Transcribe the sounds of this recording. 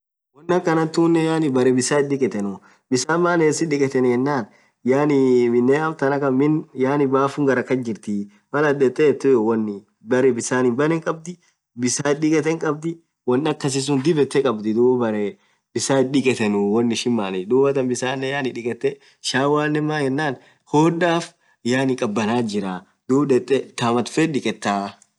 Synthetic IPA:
wɐnːɐkːɐnɐt̪ːuːnːɛjaːnɪbɐɾɛbɪsaːɪdɪkʼɛt̪ɛnʊ | bɪsaːmːaːneːsɪᶑɪkʼɛt̪ɛnɛnːaːn | jaːnɪmɪnːeɐbt̪ɐnɐkɐmɪnjaːnɪbaːfʊŋɡɐɾɐkːɐnd͡ʒɪɾt̪ɪ | mɐlɐd̪ɛt̪ʼːɛt̪ːʊwɐnːɪ | bɐɾɛbɪsaːnɪbɐnɛŋkʼɐb̚d̪ɪ | bɪsaːɪɪkʼɛt̪ːɛŋkʼɐb̚d̪ɪ | wɐnːɐkːɐs̬ɪs̬ʊnd̪ɪbɛt̪ːɛkʼɐbd̪ɪd̪uːbbɐɾɛ | bɪsaːɪɗɪkʼɛt̪ɛnʊwɐnːɪʃɪmːaːnɪd̪uːbɐt̪ɐnbɪsaːnːɛjaːnɪᶑɪkʼɛt̪ːɛ | ʃaːwaːnːɛmːaːjɛnːaːn | hoːdaːf | jaːnɪkʼɐbːɐnaːd͡ʒɪɾa | d̪̥uːbd̪ɛt̪ʼːɛt̪aːmɐt̪fɛᶑɪkʼɛt̪ːaː

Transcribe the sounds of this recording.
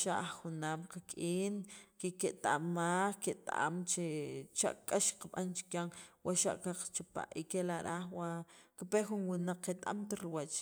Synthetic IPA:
ʃaʔaχxunaːmqakʼiːnkeket̪aʔmːaːxket̪a̰a̰mt͡ʃet͡ʃa̰ʔkʼaʃqaɓant͡ʃi̥kjaŋwaʔʃa̰ʔkaqt͡ʃapa̰ʔikelaɾaxwakipexunwinaq͡χːet̪ʼa̰mt̪aɾiwat͡ʃ

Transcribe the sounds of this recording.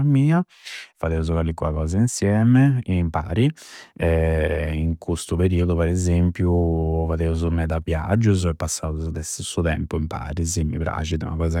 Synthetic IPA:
miːa | faðeuzukalikːua̰kɔːzainsjɛːmɛmpa̰ːɾiɛiŋkʰust̪upeɾiːɔd̪upɛɾɛzempjufaðeuzumɛd̪apja̰d͡ʒːuzɛpːasːaːuzud̪ɛst̪isːut̪ɛmpuimpa̰ːɾizimːḭpɾa̰t͡ʃid̪ɛṵnakɔːza

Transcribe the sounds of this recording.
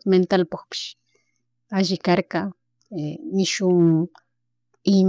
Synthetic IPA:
ment̪alpoχpɪ̥ʃ | aʒɪkaɾkɑ | emɪʃʊŋ | ɪm

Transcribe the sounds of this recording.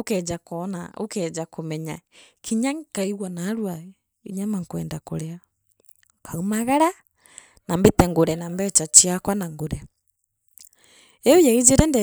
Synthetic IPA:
okɛd͡ʒakɔnaokɛd͡ʒakʰomɛɲakʰiɲaŋkaiɣwanaɾwa | iɲamaŋkwɛːndako̰ɾea | kaumaɣaɾa | nambetɛŋɡoɾɛnambɛt͡ʃat͡ʃiakwanaŋɡoɾɛ | ɛojaid͡ʒeɾɛndɛ

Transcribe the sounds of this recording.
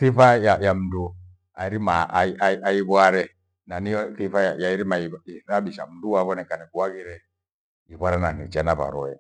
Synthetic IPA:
θifajajam̩du | aiɾimaʔiʔaajiβwaɾɛ | naniɔθifajajaiɾimaiiɾaɓiʃa̰m̩duaβɔnɛkanɛkuwaɡiɾɛ | iβwaɾɛnanit͡ʃanaβa̰ɾɔɛ

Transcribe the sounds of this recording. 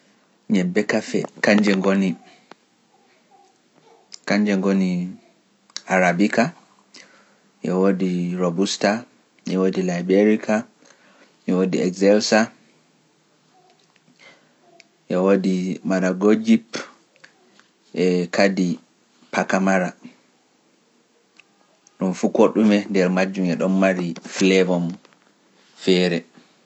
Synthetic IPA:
ɲɛbɛkafɛ̰kaɲd͡ʒɛŋɡoni | kaɲd͡ʒɛŋɡoni | aɾabika | jɔwodiɾobusta | jɔwodilajbɛɾikʰa | jɔwodiɛɡzɛlsa | ʔɛwodimaɾaɡod͡ʒip | ʔɛkʰadi | pakamaɾa | ɗumfukoɗumɛndɛɾmad͡ʒːumɛɗɔnːaɾiflɛvɔm | fɛɾɛ

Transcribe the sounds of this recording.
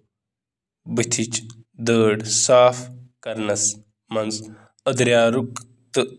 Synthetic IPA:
bɨt̪ʰit͡ʃd̪əːɖsaːfkɐɾnɐs | mɐnz | ɐd̪ɾjaːɾuk | t̪ɨ

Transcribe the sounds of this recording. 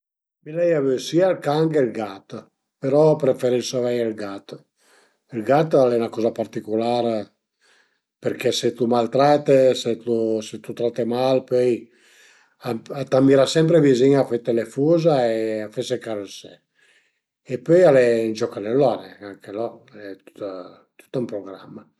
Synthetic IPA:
milɛjavysiːalkaŋɡeilɡat̪ | peɾɔpɾefeɾisovɛjelɡat̪ː | ilɡat̪alɛnakɔzapart̪ikulaɾ | peɾkeset̪umalt̪ɾat̪eset̪uset̪ut̪ɾat̪ːemalpøj | aat̪amiɾasɛmp̬ɾeviziɲafet̪ːelefuːzaeafesekaɾesɛ | epøjalend͡ʒɔkanelɔnɛaŋkelɔɛt̪u̥t̪a | t̪u̥t̪ːaumpɾoɡɾa̰mːa

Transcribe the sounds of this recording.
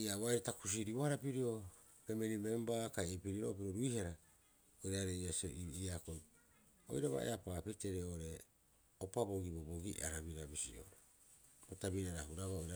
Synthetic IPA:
iaβajɾetakus̬iɾiohaɾapiɾio̞ | pemeɾime̞mbakajepiɾiɾo̞̰piɾoɾuihaɾa | ojɾaɾejaseiiakoj | o̰jɾaβa̰ḛapapiɾte̞ɾeoɾe̞ | opabo̞ɡiboboɡiaɾaβiɾabisio̰ɾe | botaβiɾaɾahuɾaβaojɾa

